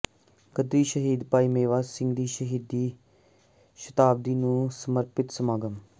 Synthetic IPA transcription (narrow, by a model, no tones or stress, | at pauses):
kəd̪ɾiːʃəɦiːd̪paːiːmeːʋaːsɪ̃ŋɡd̪iːʃəɦiːd̪ːiː | ʃət̪aːb̚d̪iːnũːsəməɾpɪt̪səmaːɡəm